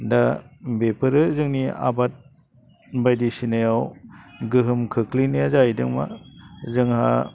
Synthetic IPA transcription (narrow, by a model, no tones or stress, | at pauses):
dabepʰɯɾɯzɯŋnia̰bat̚ | bajdisinɯjawɡɯɦɯmkʰɯkʰlinɯjazajdɯŋma̰zɯŋha̰